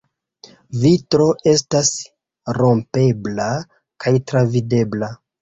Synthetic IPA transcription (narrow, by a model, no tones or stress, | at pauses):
vitɾo̞e̞stas | ɾo̞mpe̞bla | kajtɾavide̞bla